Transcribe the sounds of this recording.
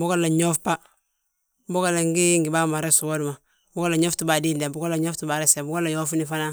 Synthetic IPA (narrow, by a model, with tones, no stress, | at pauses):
bu˦ko˦lːa˨ɲo˦fpa˦ | bo˦ka˦la˨ŋɡi˦ŋɡi˨ba˦ma˨ɾe˦su˨wo˦du˨ma˨ | bu˦ko˦lːa˨ɲo˦ftu˦ba˨diː˦lde˨bu˨ɡo˦lːa˨ɲo˦ftu˨ba˨ɾe˦se˨bu˦ɡo˦lːa˨jo˦fu˦ni˦fa˦na˦